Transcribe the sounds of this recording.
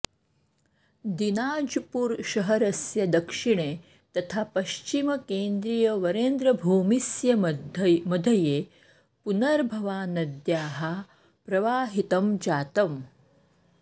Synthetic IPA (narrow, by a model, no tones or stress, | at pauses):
d̪inaːd͡ʑpuːɾɕɐɦəɾɐsjɐd̪ɐkʂiɳ̃e | t̪ɐt̪ʰapɐʃt͡ʃimɐkeːnd̪ɾijɐʋɐɾend̪ɾɐbʱuːmisjɐ | mɐd̪ʱɐjeː | punɐɾbʱɐʋaːnɐd̪jaːɦa | pɾɐʋaːɦit̪ɐmd͡ʑaːt̪ɐm